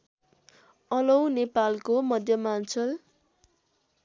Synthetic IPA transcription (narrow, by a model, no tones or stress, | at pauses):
ʌlʌwnepalkomʌd̪ʱjʌmant͡sʰʌl